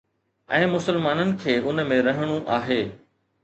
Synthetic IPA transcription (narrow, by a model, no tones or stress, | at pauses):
ɛ̃ːmʊsəlmaːnənɪ̆kʰeːʔʊn̆mẽɾɐɦɪɽ̃uʔaːɦeː